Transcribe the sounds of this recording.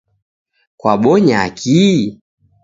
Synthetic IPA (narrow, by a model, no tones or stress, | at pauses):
kwaɓɔɲakʰi